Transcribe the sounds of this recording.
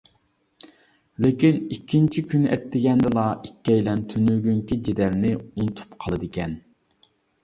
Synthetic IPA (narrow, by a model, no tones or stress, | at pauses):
lɪkʲinikʲːint͡ʃʰikʲʰynɛ̰t̪ːɪɡʲɛnd̪ɪlˠɑikʲːɛjlɛnt̪ʰynyɡʲyŋkʲid͡ʒed̪ɛlnɪunt̪ʰu̥pqʰɑlˠɨd̪ɪkʲɛn